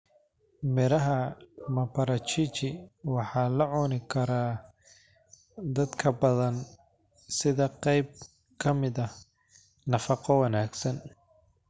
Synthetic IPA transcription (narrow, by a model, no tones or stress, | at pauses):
mɪɾɐɦɐmɐpɐɾɐt͡ʃit͡ʃɪwɑħɑːlɐʕɔnɪkʰɐɾaː | d̪ɐd̪kʰɐbɐðɐn | sɪðɐqɛjb̚ | kʰɐmɪðɐ | nɐfɑqɔwɐnaːɡsɐn